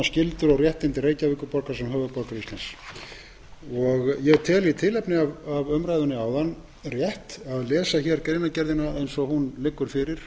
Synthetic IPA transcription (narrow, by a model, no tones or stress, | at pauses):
scɪlt̪ʏɾɔɣrjɛht̪ɪnt̪ɪreːjcavɪkʏpɔɾkasɛmɦœːvʏpɔɾkaɾist̪lans | ɔɣjɛt̪ʰɛːlit̪ʰɪlɛpnɪavavœmɾajðʏnːɪawðanː | rjɛht̪aðlɛːsaçɛɾkɛeɾjnacɛɾðɪnaejnsɔhunlɪkːʏɾ̥fɪɾɪɾ̥